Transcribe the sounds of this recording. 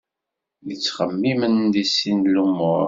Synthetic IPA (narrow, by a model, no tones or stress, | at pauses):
lit͡sːχəmːimənd̪isinlumːʊɾ